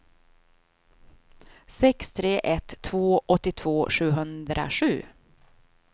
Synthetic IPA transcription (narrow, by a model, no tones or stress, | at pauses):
sɛkst̪ʰɾeːʔɛt̪ʰːvoːʔɔt̪ːɪt̪ʰv̥oːʂʉ̟ːɦɵnd̪ɾʔa̰ʂʉ̟̰ː